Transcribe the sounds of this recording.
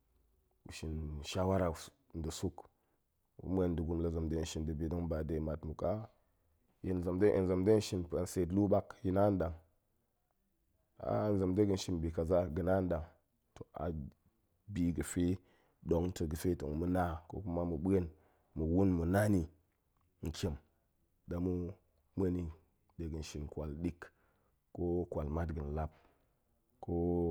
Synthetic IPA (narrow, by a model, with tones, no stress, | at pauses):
ṵ˨ʃi˨n˨ʃa˦wa˦ɾa˨˦ | n˦də˨su˦k | ṵ˦mʷ˦e˦˨n˦də˨ɡu˦mla˨za˨mde˦˨ʃi˨ndə˨bi˨do˦ŋba˨de˨ma˨tmu˨ka˦ | ji˨n˨za˨mde˦ʔḭ˨n˨za˨mde˦n˦ʃi˦npa˨n˨se˨tlu˦ɓa˦kji˦na˦n˦ɗa˨ŋ | a̰˨˦n˦za˨mde˦ɡə˦n˦ʃi˦nbi˨ka˨za˦ɡɨ˨na˦n˦da˨ŋ | to˨a̰˨ | bi˨ɡɨ˨fe˦ | ɗo˨˦ŋto˨ɡɨ˨fe˦to˨ŋ˨mu˦na˦ko̰˦ku˦ma˦mɨ˨ɓe˦n | mu˨wu˦nmɨ˨na˦ni˨ | ŋ̩˨kʰʲe˨m | da˨mu˦ | mə˦ni˨ | de˨ɡɨ˨n˨ʃi˨nkʷa˨lɗi˦k | ko˦kwa˨lma˦tɡɨ˨n˨la˦p̚ | ko˦